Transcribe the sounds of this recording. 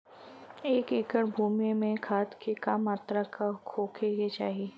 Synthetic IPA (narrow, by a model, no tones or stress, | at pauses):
eːkeːkəɾbʱuːmemẽkʰaːt̪kʰekaːmaːt̪ɾakakʰoːkʰejet͡ʃaːɦieː